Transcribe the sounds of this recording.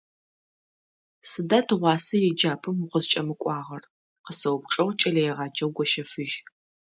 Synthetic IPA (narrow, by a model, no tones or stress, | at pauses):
sɨdaːtʰɨʁʷɑːsɐjɛd͡ʒaːpʰɨmʊqəzt͡ʃʼɐmɨkʷʼɑːʁɐr | qəsɐwpʈ͡ʂʼɐwʷt͡ʃʼɐlɐjɛʁɑːd͡ʒɐwɡʷɔʃɐfɨʒ